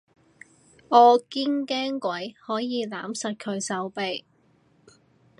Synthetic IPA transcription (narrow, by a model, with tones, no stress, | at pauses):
ɔː˨˧ki˥ŋkɛː˥ŋkʷɐ˨˥jhɔː˨˥jiː˨˧laː˨˥msɐ˨t̚kʰɵ˨˧ɥsɐ˨˥wpe˨j